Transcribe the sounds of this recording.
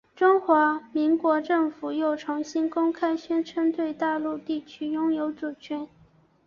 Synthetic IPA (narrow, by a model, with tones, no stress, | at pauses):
ʈ͡ʂʊ˥ŋxwa˧˥mi˧˥ŋkwɔ˧˥ʈ͡ʂɤ˥˩ŋfu˨˩jo˥˩ʊʈ͡ʂʰɑ˧˥ŋɕi˥nkʊ˥ŋkʰa˥ɪɕɥɛ˥nʈ͡ʂʰə˥nt̪we˥˧ɪt̪a˥˧lu˥˧t̪i˥˩t͡ɕʰy˥jʊ˥ŋjo˧˥ʊt͡su˨˩t͡ɕʰɥɛ˧˥n